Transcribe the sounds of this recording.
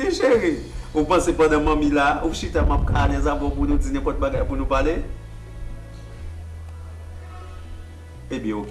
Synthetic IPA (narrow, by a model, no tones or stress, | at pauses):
iʒeɣiupãsepɐ̃d̪ãmɐ̃mĩlauʃit̪amap̚kanɛ̃zãvɔp̬unũd͡zinɛ̃pɔt̪̚baɡajpunũpale | ebjɛ̃ok